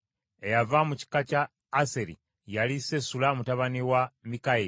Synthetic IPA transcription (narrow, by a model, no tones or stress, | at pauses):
e̞javamuci̥kacaː | seɾḭ | jalisesulamutaβaniwamikai